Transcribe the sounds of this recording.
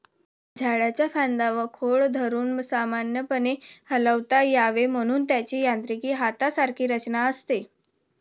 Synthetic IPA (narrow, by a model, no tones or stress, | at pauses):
d͡zʱaɽjat͡ɕjafãnd̪aʋəkʰoɭd̪ʱəɾuːnsamanjəpənehələʋt̪ajaʋem̤əɽ̃uːnt̪jat͡ɕiːjant̪ɾikiːɦat̪asaɾkʰiːɾət͡ɕnaəst̪e